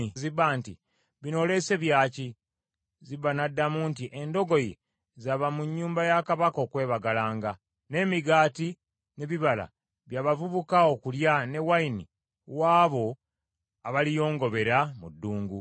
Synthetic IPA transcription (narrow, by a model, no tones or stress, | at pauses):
iziβːaːntḭ | βino̞le̞se̞βjaːci | ziβːanadːamuːntiʔe̞ndo̞ɡo̞je | zaβamuɲːuːmbajakaβakoːkwe̞ːβaɡalaːŋɡa | ne̞ːmiɡaːti | ne̞βiβala̰ | βjaːβavuβukaokuljane̞waini | waːβo̞ | aβalijo̞ːŋɡo̞βe̞ɾamudːuːŋɡu